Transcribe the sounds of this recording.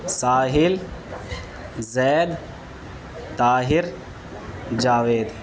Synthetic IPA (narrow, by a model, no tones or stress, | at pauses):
saːɦɪl | zɛːd̪ | t̪aːɦɪɾ | d͡ʒaːʋeːd̪